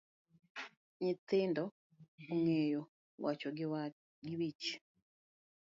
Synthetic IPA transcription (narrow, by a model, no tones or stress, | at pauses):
ɲit̪iːndo | uŋeːjo | wat͡ʃoɡ | ɡiβit͡ʃi̥